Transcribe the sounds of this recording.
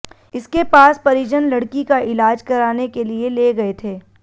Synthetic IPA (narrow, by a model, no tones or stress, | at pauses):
ɪskepaːspɐɾɪd͡ʒənlɐɽkikaʔɪlaːd͡ʒkɐɾaːnekelieleːɡɐet̪ʰeː